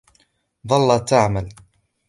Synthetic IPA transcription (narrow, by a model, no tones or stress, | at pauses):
ðˤɑlːɑt̪ːaʕmal